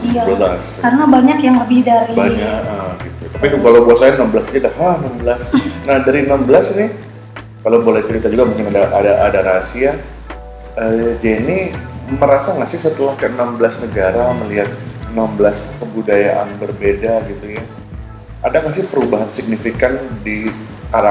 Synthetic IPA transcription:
iabəlaskarənabaɲakjaŋləbɪhdaɾibaɲaəɡit̪ut̪apikalawbəasajaənambəlasd͡ʒadahahənambəlasnahdaɾiənambəlasnɪh | kalawbolɛht͡ʃəɾit̪ad͡ʒuɡamuŋkɪnadaʔadaʔadaɾasia | əd͡ʒɛniməɾasaŋasɪsət̪əlahkəənambəlasnəɡaɾaməliɦat̪̚ənambəlaskəbudajaʔa̰nbərbedaɡit̪uja | ʔadaŋas̬ɪhpəɾubaɦansɪk̚nifikandi | kaɾa

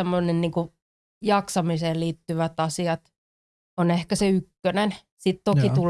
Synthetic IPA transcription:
emːonenniːŋku | jɑksɑmiseːliːt̪ːyʋæt̪ɑsiɑt̪ | onehkæseykːønen | sit̪t̪okit̪ul

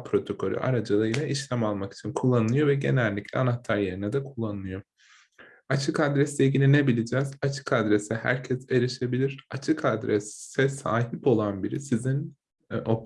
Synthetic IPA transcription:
pʰɾo̞t̪ʰo̞kʰo̞ɾʲy̰ʔa̰ɾad͡ʒalˠɯjlˠaiʃlʲæmalˠmaki̥t͡ʃʰinkʰulˠːanɯlˠɯjo̞vɛɟe̞nælʲːiclʲɛanat̪ʰaɾje̞ɾinɛd̪ɛkʰulˠːanɯlˠɯjo̞ | at͡ʃʰɯkad̪ɾɛslʲɛilʲɟilʲinebilʲid͡ʒɛːzat͡ʃʰɯ̥kad̪ɾesɛhæ̰ɾcʰɛze̞ɾiʃe̞bilʲiɾat͡ʃʰɯkʰad̪ɾɛsɛsaːɦipo̞lˠanbiɾisizin | o

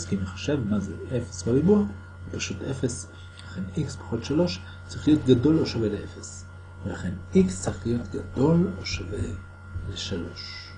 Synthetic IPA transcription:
skiimeχḁʃevmazeefe̥sbabibu | epaʃutefes | laχe̞nikspḁχotʃalo̞ʃ | t͡saʁiχlijo̞t̪ɡado̞loʃaveleʔefes | velaχe̞nikst͡siχlijo̞t̪ɡad̪o̞loʃave | leʃalo̞̰ʃ

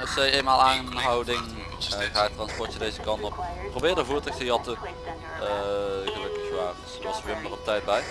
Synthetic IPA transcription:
ɛfsɛjejnmaːlˠaːnɦɑwdɪŋ | ɣaːətːrɑnspɔɹt͡ʃədejzəkɑntɔppːrobɪːɹdəvuːɹtəxtəjɑtə | ɣəlɵkɪxʋaːrədsəʋɑsəʋɪmdərɔp̚tɛjt̚bɛj

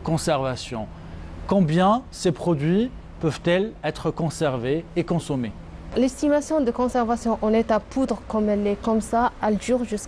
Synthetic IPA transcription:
kɔ̃sɛʁvasjɔ̰̃ | kɔ̃bjɛ̃sepχɔd̪ɥi | pœvt̪ɛlɛt̪χəkɔ̃sɛʁveekɔ̃sɔme | lɛst̪imasjɔ̃d̪əkɔ̃sɛʁvasjɔ̃ʔɑ̃nɛt̪apud̪ʁəkɔmɛlɛkɔmsaɛld̪yʁʒys

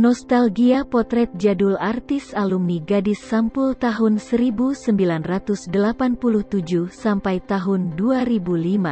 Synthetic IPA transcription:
nɔst̪alɡiapɔt̪ɾɛt̪̚d͡ʒadulart̪isalumniɡadisːampʊlt̪aɦʊnsəɾibusəmbilanrat̪usdəlapanpuluht̪ud͡ʒuhsampajt̪aɦʊnduaɾibulima

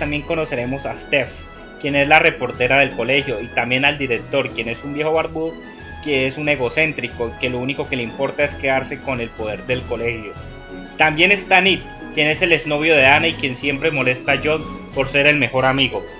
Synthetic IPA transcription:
t̪ambje̞ŋko̞no̞se̞ɾe̞mo̞sast̪ef | kje̞ne̞zlare̞po̞ɾt̪e̞ɾaðe̞lko̞le̞xjo̞it̪ambje̞nald̪iɾe̞k̚t̪o̞ɾkje̞ne̞sumbje̞xoβaɾbuð | keesune̞ɣo̞se̞nt̪ɾiko̞ike̞louniko̞ke̞leimpo̞ɾt̪ae̞skeðaɾse̞ko̞ne̞lpo̞ð̞e̞ɾd̪e̞lko̞le̞hjo̞ | t̪ambje̞ne̞st̪anit̪̚ | kje̞ne̞se̞le̞zno̞βjo̞ðe̞anaikje̞nsje̞mpɾemo̞le̞st̪ad͡ʒo̞npo̞ɾse̞ɾe̞lme̞xo̞ɾamiɣo̞

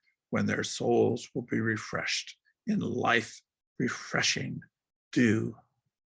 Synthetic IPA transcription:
wɨ̰̃nðə̰˞soʊlˠzwəlˠbiɹɪfɹɛ̰ʃt | ɨ̃nla̰ɪf | ɹɨfɹɛ̰ʃɪ̰̃ŋ | d̥ʉ

